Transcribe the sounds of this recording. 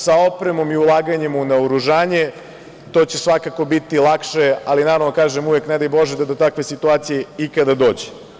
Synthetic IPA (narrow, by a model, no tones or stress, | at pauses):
saopɾemo̞miulˠaːɡaɲe̞munaoɾuʒaːɲe̞ | t̪oːt͡ɕe̞sʋakako̞bit̪ilˠakʃealinaːɾaʋnokaːʒemuʋeknɛd̪ajbo̞ʒed̪ad̪ot̪akʋe̞sit̪uaːt̪sijeikad̪ad̪o̞ːd͡ʑe̥